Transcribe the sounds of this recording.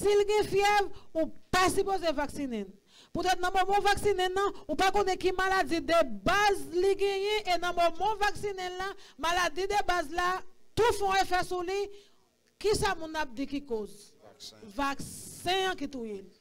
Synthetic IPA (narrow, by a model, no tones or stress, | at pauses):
silɡɛ̃fjɛvupasypozevaksinɛ̃n | put̪ɛt̪nɐ̃mɔmãvaksinɛ̃nɐ̃upakõnɛkimalad͡zid̪ebazliɡɛ̃jɛ̃ʔenɑ̃mɔmãvaksinɛ̃amalad͡zid̪ebazlat̪ufɔ̃efɛsuli | kisamũnap̚dikikoz | vaksɛ̃ãkit̪ujel